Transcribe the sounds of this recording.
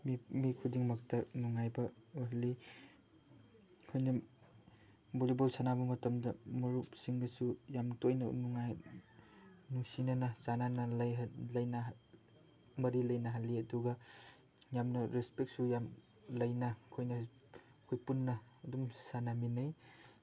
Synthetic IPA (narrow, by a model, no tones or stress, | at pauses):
mimikʰudiŋmɐk̚tɐnuŋajbɐuɦali | kʰojnɐ | bolibolsanabɐmɐtɐmdɐmuɾupsiŋɡɐsujamtojnɐ̰nuŋaj | nuŋsinanɐsananɐljlɐjna | mɐɾilɐjnaɦalːiɐduɡɐ | jamnɐɾespek̚t̚sujam | lɐjnɐkʰojnɐ | kʰojpunːɐːdumsanaminɐj